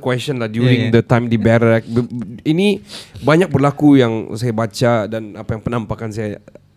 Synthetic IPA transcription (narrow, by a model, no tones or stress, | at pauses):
kwɛst͡ʃə̃nlahdjuɾĩŋd̪ətãj̃mdibɛɾɛk̚binibaɲak̚bərlakujaŋsajabat͡ʃadanapajaŋpənãmpakansaja